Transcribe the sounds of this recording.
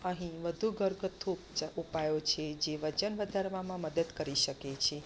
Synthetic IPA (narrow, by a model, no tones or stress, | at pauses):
əɦĩʋəd̪ʱuɡʱəɾɡət̪ʰːo | upajot͡ʃʰed͡ʒeʋət͡ʃənʋəd̪ʱaɾʋamãməd̪əd̪kəɾiʃəket͡ʃʰe